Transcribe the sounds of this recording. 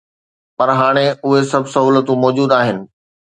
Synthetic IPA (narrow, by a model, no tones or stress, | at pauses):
pɐɾɦaːɽ̃eʊɦesɐbʱsɐɦuːlət̪ũmɔːd͡ʑuːd̪aːɦɪnɪ̆